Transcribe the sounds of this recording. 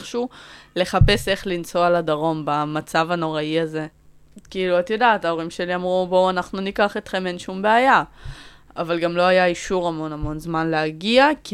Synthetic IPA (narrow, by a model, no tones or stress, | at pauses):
χʃule̞χape̞se̞χlint͡so̞aladaʁo̞mbamat͡savano̞ʁaiaze̞ | kiiluat̪jodaːtao̞ʁ̞imʃe̞liamʁubowanaχnunikaχetχe̞menʃumbeaja | avalɡamlo̞ajaiʃuʁamo̞namo̞nzmanleaɡiak